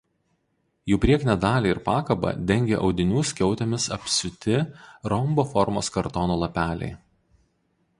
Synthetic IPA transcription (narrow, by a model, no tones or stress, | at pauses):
juːpʲɾʲiɛknʲɛd̪ɑːlʲiːɪɾpɑːkɐbɐ̰d̪ʲɛŋʲɡʲeʔɒʊd̪ʲɪnʲuːsʲkʲɛʊt̪ʲemʲɪsɐpʲsʲʊt̪ʲɪɾɔmbofɔɾmo̰ːskɐɾt̪ɔnoːlˠɐpʲæːlʲɛ̰ɪ